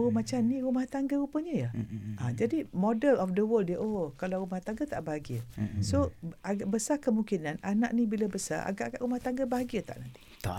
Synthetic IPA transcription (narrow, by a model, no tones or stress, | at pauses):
omat͡ʃamnĩɾumaht̪aŋɡəupəɲəjəʔãd͡ʒadimɔdəlɔfdəwəldjəʔokalawɾumaht̪aŋɡət̪aʔbaɦaɡiəsoaɡaʔbəsakəmuŋkinanana̰ʔnibiləbəsa̰ʔa̰ɡaʔaɡaʔɾumaht̪aŋɡəbaɦaɡiət̪a̰ʔnant̪i̥t̪a̰